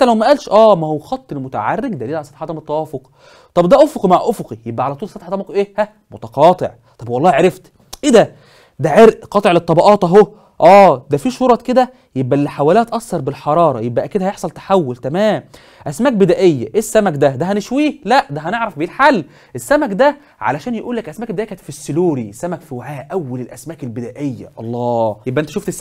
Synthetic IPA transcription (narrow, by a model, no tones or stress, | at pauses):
nt̪ælæwmæʔæːlʃʔæːmæhowxɑt̪ˤːelmot̪æ̰ʕarːeɡd̪æliːlʕalsˤɑt̪ħɑt̪ɑmet̪ˤːɑwɑːfoq | t̪ˤɑbd̪æʔofoqimaʕʔofoqijebʔæʕalæt̪uːlsɑt̪ħɑt̪ɑmkʔeːhæ | mot̪ɑqɑːt̪ˤeʕ | t̪ˤɑbwɑlˤːɑːhiʕeɾeft̪ | ʔed̪æ | d̪æʕeɾʔqɑːt̪ˤeʕlet̪ˤːɑbɑʔɑːt̪ʔæɦo | ʔæːd̪æfiːʃoːɾˤɑtked̪æ | jebʔælːiħawæliːhæt̪ʔɑsːɑɾˤbelħɑɾˤɑːɾˤɑjebʔæʔæked̪æhæjeħsˤɑlt̪ḁħawːolt̪æmæːm | ʔæsmæːk̚bed̪æːʔejːæ̰ʔeːsːæmækd̪æd̪æɦæneʃwiːhlæʔd̪æɦæneʕɾˤɑfbiːlħalː | ʔesːæmækd̪æ | ʕa̰læʃæːnjeʔuːlːækʔæsmæːk̚bed̪ejækæːt̪fisːeluːɾisːæmækfiwaʕæːʔʔæwːælelʔæsmæːkelbed̪æːʔejːæ̰ʔɑ̰lˤːɑːjebːæʔent̪æʃuft̪es